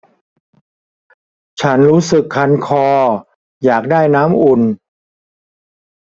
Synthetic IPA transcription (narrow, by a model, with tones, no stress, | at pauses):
t͡ɕʰa˦˥nɾuː˦˥sɯ˨˩kʰːa˧nkʰɔː˧ | jaː˨˩k̚daː˥˩jnaː˦˥mʔu˨˩n